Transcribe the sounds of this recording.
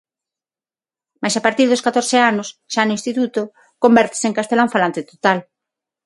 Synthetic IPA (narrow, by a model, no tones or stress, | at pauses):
majsapaɾt̪iɾðoskat̪oɾθeanʊsʃanʊinst̪it̪ut̪ʊ | kombɛɾt̪e̥seŋkast̪elaũfalant̪ɪt̪ot̪al